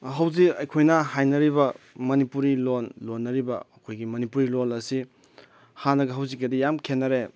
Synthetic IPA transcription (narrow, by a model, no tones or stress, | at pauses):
ɦɐwzikɐjkʰojnɐɦajnɐɾiβɐ | mɐnipuɾilonlonːɐɾibɐːkʰojɡimɐnipuɾilonɐsi | hanɐɡɐɦɐwzik̚ːɐdijamkʰenːɐɾe